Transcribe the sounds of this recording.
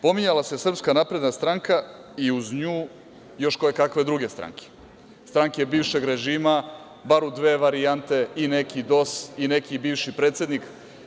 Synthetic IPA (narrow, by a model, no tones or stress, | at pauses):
po̞miɲalase̞sr̩pskanapɾe̞d̪nast̪ɾaŋkaiuzɲuː | jo̞ʃko̞jekakʋe̞d̪ɾuɡe̞st̪ɾa̰ŋkʰe̥ | st̪ɾaŋke̞biːʋʃe̞ɡɾe̞ʒiːma | baɾud̪ʋe̞ːʋaɾiant̪e̞ine̞kid̪o̞sine̞kibiːʋʃipɾe̞ːt̪sje̞d̪nik